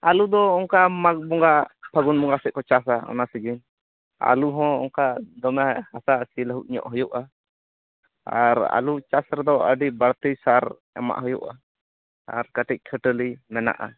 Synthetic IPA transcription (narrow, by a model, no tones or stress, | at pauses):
alud̪ɔːŋkamak̚bɔŋɡapʰaɡunmɔŋɡasɛʔ̚kɔt͡ʃasaɔ̰nasiɡin | a̰luɦɔ̃ɔ̰ŋkad̪ɔmɛhasasiləɦuʔ̚ɲɔ̰ʔɦɔjɔʔa | aɾa̰lut͡ʃasɾɛd̪ɔʔə̰ɖibaɽt̪əjsaɾ | ɛ̰ma̰ʔɦɔjɔ̰ʔa̰ | a̰ɾkəʈic̚ˀkʰəʈəlimɛna̰ʔa̰